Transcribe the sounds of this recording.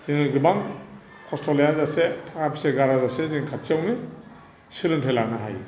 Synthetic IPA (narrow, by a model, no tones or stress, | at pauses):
z̥iŋɡɯbaŋ | kʰɔstʰɔlijazasetʰaŋapʰiseɡaɾazaseziŋkʰat̚siawni | silɯntʰelaknaɦa̰j